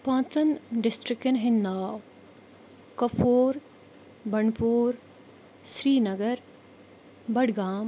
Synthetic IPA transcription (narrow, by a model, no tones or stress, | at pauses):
pãːt͡sɐnɖɪsʈɾɪkɐnɦɪnːaːw | kɐfʰoːɾ | bɐɳpuːɾ | sɾiːnɐɡəɾ | bɐɽɡaːm